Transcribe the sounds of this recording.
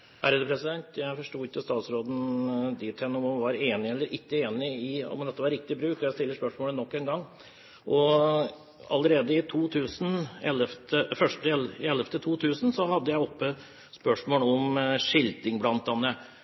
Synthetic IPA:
ʔæ̰ɾəd̪əpʰɾɛsɪd̪ɛnt̪jæɪfɔʂʈuːɪkːəst̪ɑːt̪sɾoːd̪nd̪ɪt̪hɛnːəɔmɑmʋɑɾeːnɪɛlːəɾʔɪkːəeːnɪɪɔ̰md̪ɛt̪ːəʋɑɾɪk̚t̪ɪbɾʉːkɔjæɪt̪ɪlːəʂpœʂmoːlənɔkːeːnɡɑŋː | ʔɔ | ɑ̰ləɾeːd̪əɪt̪ʰuːt̪ʰʉːsn̩ɛləft̪əfœʂʈəɛlɪɛlːɛft̪ʰət̪ʰuːt̪ʰʉːsn̩sɔhɑd̪ːəjæɪɔpːə | spœʂmoːlɔmʂɪld̪ɪŋblɑnt̪̚d̪ɛnːə

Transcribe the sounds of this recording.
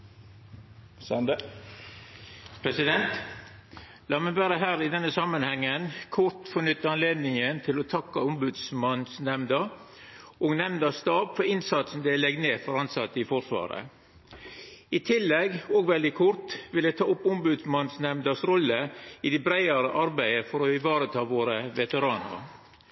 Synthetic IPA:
sn | pʰɾɛsɪd̪ɛnt̪ | lɑːmɛʋæːɾəɦæːɾɪd̪ɛnːəsɑmːənhɛŋːənkʰʊɾt̪fɔnʏt̪ːəɾɑnleːd̪nɪŋənt̪ʰɪlɔt̪ʰɑkːɑʊmbʉd̪smɑnsnɛmnd̪əɾ | ʔɔɡnɛmnd̪ɑst̪ɑːʋfɔɾɪnsɑt̪sɔm̩d̪ɛlɛɡ̪neːfɔɾɑnsɑt̪ːɪfɔʂʋɑ̰ːɾə̰ | ɪt̪ʰɪlːɛɡɔːɡʋɛld̪ɪkʰʊɾt̪ʋɪld̪ɛt̪ʰɑːʊpːʊmbʉd̪smɑnsnɛmnd̪ɑsɾɔlːəɪd̪ɛbɾæɪɑɾəʔɑɾbæɪəfɔɾɔɪʋɑːɾət̪ʰɑːʋoːɾəʋɛt̪əɾɑːnə̰ɾ

